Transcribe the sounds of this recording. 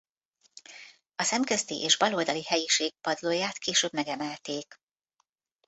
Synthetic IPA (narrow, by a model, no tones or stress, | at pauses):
ɒsɛmkøst̪iʔḛːʒbɒloːld̪ɒlihɛjiʃeːɡ̚pɒd̪loːjaːt̪keːʃøːbmɛɡɛmɛlt̪eːk